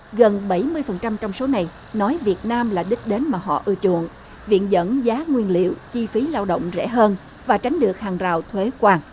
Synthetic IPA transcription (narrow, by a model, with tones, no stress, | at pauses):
ɣə˨˩nɓə˧˩jmɨ˧əjfə˨˩nt͡ɕa˧mt͡ɕɔ˧wŋ͡mso˨˦na˨˩j | nɔ˨˦jvi˨˩ət̚naː˧mlaː˨˩ɗi˦˥k̟̚ɗe˨˦nmaː˨˩ɦɔ̰˧˨ʔɨ˧ət͡ɕṵ˧˨əŋ | vḭ˧˨ənzə̰˧˥nzaː˨˦ŋwi˧ənlḭ˧˨əwt͡ɕi˧fi˨˦laː˧wɗo̰˧˨wŋ͡mzɛ̰˧˥ɦəː˧n | vaː˨˩t͡ɕa˨˦jŋ̟ɗɨ˨˩ək̚haː˨˩ŋzaː˨˩wt̪ʰwe˨˦kwaː˧ŋ